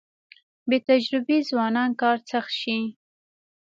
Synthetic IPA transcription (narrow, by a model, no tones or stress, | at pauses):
bet̪ad͡ʒɾɪbezwɑnɑnkɑɾt͡saxʃi